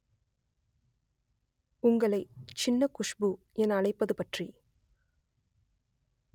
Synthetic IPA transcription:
ʊŋɡɐɭɐɪt͡ʃɪnːɐkʊʂbɯ | ɛnɐɳɐɪpːɐðɯpɐʈri

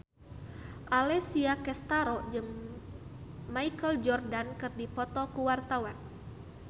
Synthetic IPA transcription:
ʔalɛsiakɛst̪aɾɔd͡ʒɨŋ | maikəld͡ʒɔrdankɨrdipɔt̪ɔkuwart̪awan

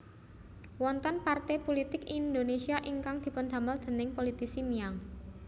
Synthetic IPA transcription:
wɔnt̪ɔnpart̪ɛpolit̪ɪkind̪onesiaʔiŋkaŋd̪̥i̤pʊnd̪̥a̤məld̪̥ə̤nɪŋpolit̪isimiaŋ

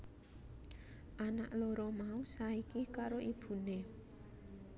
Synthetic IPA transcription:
ʔana̰ʔloɾɔmausaikikaɾoʔib̥ṳne

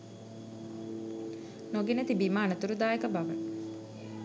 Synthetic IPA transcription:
noɡenət̪ibimaːnət̪uɾud̪aːjekəbaʋə

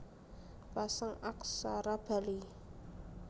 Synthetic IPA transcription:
pasaŋaksaɾab̥a̤li

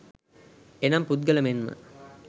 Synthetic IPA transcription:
enampud̪̚ɡələmenmə̰

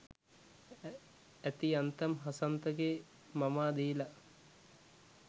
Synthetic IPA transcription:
æt̪iant̪ɐmɦasɐnt̪əɡe | mamaːd̪iːlɐ

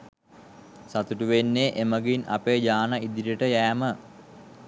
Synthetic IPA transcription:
sat̪uʈuʋenːeʔeməɡina̰peːd͡ʒaːnaid̪iɾəʈəjæːmə

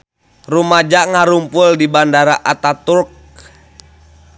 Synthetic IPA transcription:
rumad͡ʒaʔŋaɾumpʊldibandaɾaʔat̪at̪urk̚

